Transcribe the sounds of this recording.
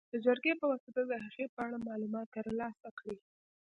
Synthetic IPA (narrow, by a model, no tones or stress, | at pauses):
d̪̥əd͡ʒaɾɡepəwasat̪ad̪əɦaɣepəaɽamɑlumɑt̪ːəɾlɑsakɽi